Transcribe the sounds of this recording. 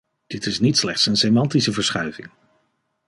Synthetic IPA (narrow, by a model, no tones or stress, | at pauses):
d̥ɪtɪsnitslɛχtsənsemɑntisəvəɹsχœɥvɪ̰ŋ